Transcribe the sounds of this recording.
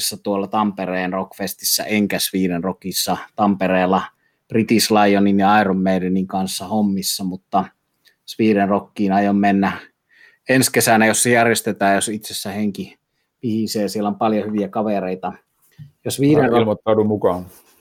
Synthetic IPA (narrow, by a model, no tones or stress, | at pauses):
sːæt̪uolːɑt̪ɑmpereːnrokfest̪isːæ̰eŋkæsʋiːɾenrokisːɑt̪ɑmpereːlːˑɑ | prit̪islɑijoninjɑɑˑiromːeileniŋkɑnsːɑhomːisːɑmut̪ːɑ | sʋiːɾenrokːiːnɑjommenːæ | enskesænæjosːejærjest̪et̪æːjjosit̪sesːæheŋki | pihiseːsielæompɑljohyʋiækɑʋereˑit̪ɑ | josʋiːɾenrolmot̪ːɑˑudumukɑn